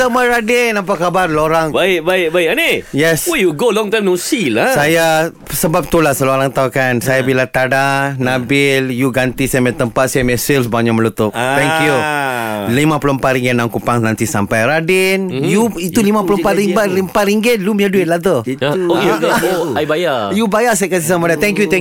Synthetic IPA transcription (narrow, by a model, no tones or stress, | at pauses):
əmajɾadɛnnampaʔkːabarloɾaŋbaɪk̚baɪk̚baɪkanejɛswejuɡolɔ̃ŋt̪ãjmnosilasaja | səbap̚t̪ulasəlooɾaŋt̪aukansajabilat̪adanabɪljuɡant̪isajamɛt̪əmpat̪̚sajamɛsilsbaɲaʔməlut̪ʊp̚t̪ɛŋkju | limãpulompat̪ɾiŋɡɪt̪naŋkupaŋnãnt̪isampajɾadɪnjuit̪ulimãpulopat̪ɾiŋbaimpat̪ɾiŋɡɪtluməɲaduɪt̪̚lat̪ə | oajbajajubajasajakas̬isamadat̪ɛŋkjuɛ